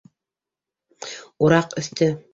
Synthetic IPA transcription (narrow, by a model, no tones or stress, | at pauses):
uɾɑqɵ̆θt̪ɘ